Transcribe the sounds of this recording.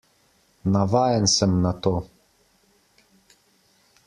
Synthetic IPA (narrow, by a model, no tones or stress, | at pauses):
navajɛnsɛmnat̪oː